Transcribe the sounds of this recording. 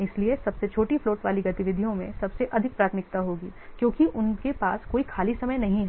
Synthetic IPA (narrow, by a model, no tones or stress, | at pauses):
ɪsliesɐbset͡ʃʰoːʈifloːʈʋaːliɡɐt̪ɪʋɪd̪ʱijõmẽsɐbseʔɐd̪ʱɪk̚pɾaːt̪ʰmɪkt̪aɦoːɡiːkjõːkiʔʊnkepaːskoːikʰaːlisɐməjnɐɦĩɦ